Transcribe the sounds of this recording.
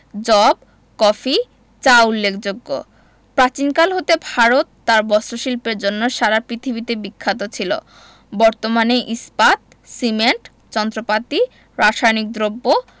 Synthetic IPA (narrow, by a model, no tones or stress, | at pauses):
d͡ʑɔb̚ | kɔfi | t͡ɕaulːekʰd͡ʑoɡːo̰ | pɾat͡ɕinkalɦot̪ebʱaɾot̪ːaɾbɔsɾoʃilpeɾd͡ʑonːoʃaɾapɾit̪ʰibit̪ebikʰːat̪̬ot͡ɕʰilo̰ | bɔɾt̪omaneʔispat̪̚ | simeɳʈ | t͡ɕɔnd̪ɾopat̪i | ɾaʃajnik̚d̪ɾobːo